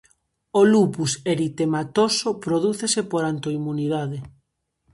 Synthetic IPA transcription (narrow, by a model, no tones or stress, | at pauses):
olupuseɾit̪emat̪osopɾoðuθesepoɾant̪oimuniðaðe